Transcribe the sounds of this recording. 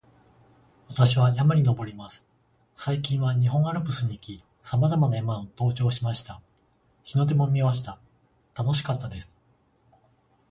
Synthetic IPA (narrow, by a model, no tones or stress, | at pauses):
βat̪aɕiβ̞ajamaɾʲino̞bo̞ɾʲimasɨ̥ | saikʲĩɰ̃βaɲ̟iɦõ̞ɰ̃aɾɯ̟pɯ̟sɨɲ̟iːkʲi | samazamanaemãɰ̃ot̪o̞ːt͡ɕo̞ːɕimaɕi̥t̪a | çino̞d̪e̞mo̞mʲimaɕ̬i̥t̪a | t̪ano̞ɕi̥kat̪ːad̪e̞sɨ̥